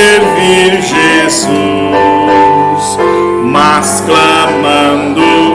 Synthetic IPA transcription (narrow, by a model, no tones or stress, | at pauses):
eɾviɾʒez | u | s | masklamɐ̃nd̪ʊ